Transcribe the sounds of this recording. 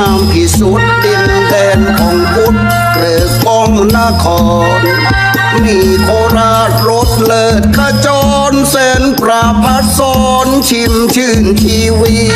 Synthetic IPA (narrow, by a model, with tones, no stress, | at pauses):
a˧mp̪ʰi˧˩su˨˦˩t̪ːi˧n | d̪ɛː˧nkʰɔː˨˩˦ŋku˦˥t̪̚ | lɯː˨˩˦ko˧˥˩ŋla˧kʰɔː˧ | n | miː˧˩kʰoː˧˦ɾaː˧˥˩t̪̚ɾo˦˥t̪̚lɤː˧˩t̪̚kʰa˧˩t͡ɕɔː˧ | nse˧˥npɾa˧pʰa˦˥t̪̚sɔː˨˦nt͡ɕʰi˧mt͡ɕʰɯː˧˩nt̪ʰiː˧wiː˧